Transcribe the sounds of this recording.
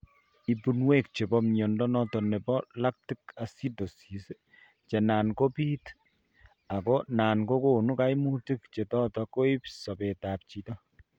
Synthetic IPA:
i˨pu˨nwe˦k̚t͡ʃe˨bɔ˦mɲɔ˨ndɔ˦nɔ˦tɔ˨nɛ˨bɔ˦la˦k̚ti˦ka˨si˦to˨si˨se˦ | t͡ʃɛ˨na˨nko˦piː˦t | a˨ko˦na˨nko˦ko˨nu˦ka˦jmu˦ti˦kt͡ʃe˨tɔ˦tɔko˦i˦psɔ˨peta˨p̚t͡ʃi˨tɔ˦

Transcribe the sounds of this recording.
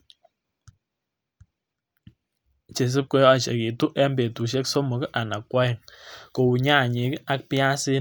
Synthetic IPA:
t͡ʃe˨s̬ɨ˦p̚ko˦jɔ˦t͡ʃḛ˨ki˨tu˦ʔɛ˦mbe˨tu˨ʃe˦kso˦mo˨kʔa˨na˨kwɔ˦ɪ˨ko˨u˨ɲa˦˨ɲe˨˦ka˦k̚pja˦sɪ˦

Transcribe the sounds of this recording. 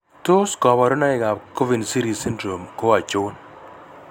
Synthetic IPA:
to˦skɔ˨βa˨ɾo˦na˦ɪ˨ɡa˨ko˦vi˨nsi˦ɾi˨si˦ndɾo˨mko˦a˨t͡ʃʊ˦n

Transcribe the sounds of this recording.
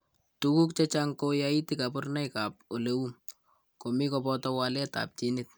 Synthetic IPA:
tu˦ku˦k̚t͡ʃa˦t͡ʃaŋko˦ja˦i˦tika˨pʊ˦rna˦jka˨p̚o˨le˦wu˦ | ko˨mi˦kɔ˨bɔtɔ˦wa˦lɛ˦ta̰p̚t͡ʃi˦nɪt̚

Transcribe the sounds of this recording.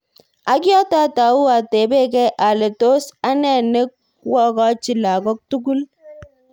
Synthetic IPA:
a˨kjɔ˦ta˦ta˨u˦a˨te˨be˦kɛ˦ʔa˨le˨to˦sa˦nɛ˨ne˦k̚ | wɔ˦ka˦t͡ʃi˨la˨ɡɔ˦k̚tu˦ɡu˦l

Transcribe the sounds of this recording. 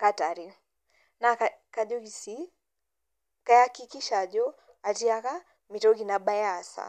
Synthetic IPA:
kata˨ɾi˨ | na˨kaka˨ʄɔ˦ɡi˨si˦ | ka˦ja˦ki˦ki˦ʃa˨ʄɔ˦ | a˨ti˦a˦ka˦ | mi˨tɔ˦ki˨na˨ɓa˦ja˨sa̰

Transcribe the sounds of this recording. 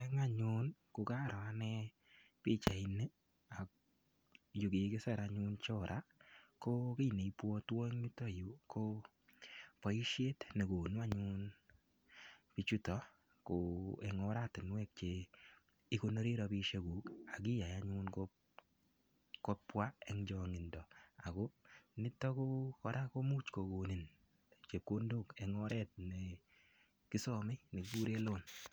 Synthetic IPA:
ɛ˦ŋa˦ɲʊ˦nkʊ˧ka˦ɾɔ˨a˦nɛ˦ | pi˦˨t͡ʃa˨i˨ne˦ | a˨k | ju˨ɡi˨˦kɪ˦sɛ˦˨ɾaɲʊ˦nt͡ʃɔ˦ɾʔa˦ko˦ki˦˨ne˨i˦pwɔ˦twɔ˦ŋɲu˦to˦˨ju˨˦kʰo˦ | pɔ˨i˦ʃje˦tne˨ɡo˨nu˦a˦ɲʊ˦n | pi˧t͡ʃu˦tɔ˨ | ko˨ɛ˨ŋɔ˦ɾatɪ˨nwɛ˦k̚t͡ʃe˨ | i˦ko˦no˦ɾi˦ɾɔ˧bi˦ʃe˦ɡuː˨ka˨k̬ɪ˦ja˨ja˦ɲʊnko | kɔ˦pwa˦ɛ˦ŋd͡ʒɔ˨ŋɪ˨ndɔ˨a˨ko˦nɪ˦tːɔ˦ko˦kɔ˨ɾa˦ko˦muː˦t͡ʃko˨ɡo˨ni˨n | t͡ʃe˨p̚ko˦ndo˦˨kɛ˨ŋɔ˦ɾɛ˦t̚ne˨ | kɪ˦sɔ˦mɪ˦ne˨kbu˦ɾe˦lo˦n

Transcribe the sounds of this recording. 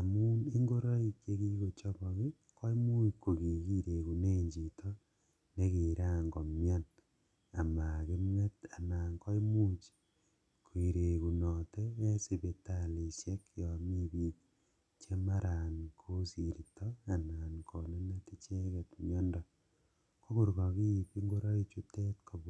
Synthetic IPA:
a˨mu˦ne˦ŋɡo˦ɾo˦i˦ke˦ɣi˦ɣo˨t͡ʃo˦βo˨ɣi˦ | ko˦i˦mu˦ko˨ɣi˨ɣi˦ɾe˨ku˨neː˦ɲd͡ʒi˨tʰo˦ | ne˦ɣeː˨ɾaː˦ŋɡo˨mja˦n | a˨ma˨ɣe˦mŋe˦ta˨naː˨ŋko˦i˦mu˦t͡ʃi̥ | kʰwi˨ɾe˨ku˨no˨te˦e˦se˨βe˨tali˨ʃe˦kjo˨mi˦βi˦k | t͡ʃe˦ma˦ɾa˨nkʰo˦si˨ɾi˨toa˨na˨ŋkʰo˨ne˦ne˦ti˦t͡ʃe˦ɣe˨tmjɔ˦ndɔ | ko˦ɣu˨ɾɣo˨ɣi˦˨pi˦ŋɡo˦ɾo˦e˦t͡ʃu˦te˦tkʰo˨β

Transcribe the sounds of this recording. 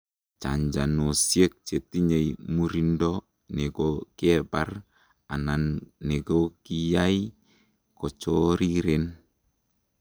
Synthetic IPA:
t͡ʃa̰˨ɲd͡ʒa˨nɔ˨sje˦k̚t͡ʃe˨ti˦ɲe˨jmu˦ɾi˦ndɔ˦ | nɛ˨kɔkɛ˦bar | a˨na˨nːɛ˨ko˦ki˨ja˦i | kɔ˨t͡ʃɔ˦ɾi˦ɾe˨n

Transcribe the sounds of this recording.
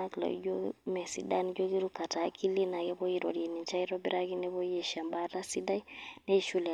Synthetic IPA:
a˦kla̰˨˦ɟo˦mɛ˨sḭ˨da˦ni˦d͡ʒo˦ki˦ɾu˦ka˨taː˨˦kʰi˦li˦na˨kɛ˦bɔ˦ji˦ɾɔ̰˨ɾiɛ˨ni˨ɲt͡ʃa˦iɾɔ˦bi˦ɾa˦ki˦nɛ˦βɔ˦jɛ˦ʃa˨mba˦ta˦si˦da˦i˦nɛ˦i˦ʃu˦lɛ˨

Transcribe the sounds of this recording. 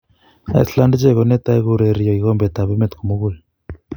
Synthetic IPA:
a̰˦ḭ˦sla˦ndt͡ʃe˦˨ɣo˨ne˦ta˦e˦ɣu˦ɾe˨ɾjɔ˨i˨ɣɔ˦mbe˨ta˨βe˦me˦t̪ku˨mo˦ɣu˦˨l

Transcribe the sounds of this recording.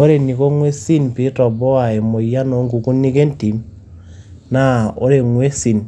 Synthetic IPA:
o˦ɾe˨ni˨ko˦ŋwe˦si˦npi˦tɔ˨bɔ˦a˨e˨mo˨ja˦no˨˦ŋku˨ku˦nːi˦ke˦nti˨m | na˦o˦ɾe˨ŋwe˦si˨n

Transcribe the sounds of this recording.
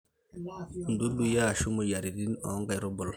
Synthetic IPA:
n̩˨du˦du˦jaː˦˨ʃu˦mo˨ja˨ɾi˨ɾi˦na̰˨˦ŋɡa˨jɾo˦bɔ˨l

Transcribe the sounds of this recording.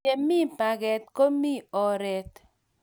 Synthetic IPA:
e˨mi˦pa˨ɡɛ˨t̪ko˦mi˦˨ɔ˨ɾɛ˦t̪

